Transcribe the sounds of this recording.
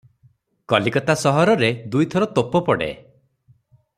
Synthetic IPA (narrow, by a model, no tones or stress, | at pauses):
kɔlikɔt̪asɔɦɔɾɔɾed̪ujt̪ʰɔɾɔt̪opɔpɔɽḛ